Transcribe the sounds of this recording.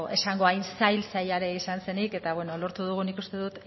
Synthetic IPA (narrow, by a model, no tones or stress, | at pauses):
e̞saŋɡo̞ajnsajlsajaɾe̞isanse̞nike̞t̪aβweno̞lo̞ɾt̪uð̞uɣ̞unikust̪e̞ðut̪